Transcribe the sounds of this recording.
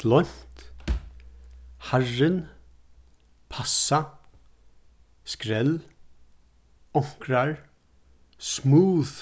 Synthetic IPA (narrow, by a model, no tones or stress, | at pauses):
lɔjn̥t̪ | harːɪn | pʰasːa | skɾɛl | ɔŋ̥kɾaɹ | smuːð